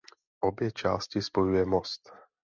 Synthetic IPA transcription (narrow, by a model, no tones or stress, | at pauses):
ʔobjɛt͡ʃa̰ːscɪspo̞jujɛmost̪